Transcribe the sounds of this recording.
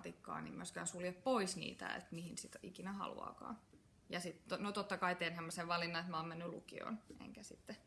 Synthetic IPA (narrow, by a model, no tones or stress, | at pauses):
t̪ikːɑ̰ːnḭmyøskæːnsuljeppoisnḭːt̪æ̰ḛt̪mihinsit̪ikinæhɑ̰lṵɑ̰ːkɑ̰ː | jɑsit̪onot̪ot̪ːɑkɑit̪enhæmːɑseʋʋɑlinːɑet̪mæoːmmenːylṵkḭo̰nḛŋkæsit̪ːe